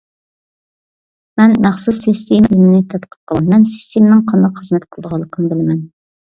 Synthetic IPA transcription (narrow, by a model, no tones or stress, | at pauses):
mɛnmæχsusːist̪ʰemɪlɪmɪnɪt̪ʰɑt̪qʰə̥p̚qʰəlˠmɛnsi̥st̪ʰemɪnɪŋqʰɑnd̪ɑqχəzmɛt̪qʰəlˠd̪əʁɑlˠːəqʰənɨbɪlɪmɛn